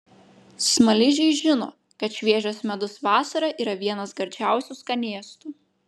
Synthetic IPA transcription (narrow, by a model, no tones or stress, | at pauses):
smɐlʲɪʒʲɛɪʒʲɪno̰ː | kɐt̪ʃʲʋʲiɛʒʲoːsmʲɛd̪ʊsʋɑːsɐɾɐʔiːɾɐʋʲiɛnɐsɡɐɾʲd͡ʒʲæˑʊsʲuskɐnʲiɛst̪u